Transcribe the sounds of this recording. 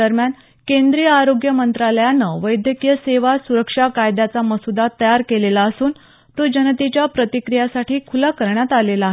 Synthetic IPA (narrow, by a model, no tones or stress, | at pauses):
əɾmjan | kẽnd̪ɾijəaɾoɡjəmənt̪ɾaləjanːəʋəjd̪ʱjəkjəseʋasuɾəkʂakajd̪at͡saməsud̪at̪ːəjaɾkelelaəsuːn | t̪od͡ʑənt̪it͡ɕjapɾət̪ikɾijasaʈʰiːkʰulakəɾɳjat̪alelaɦe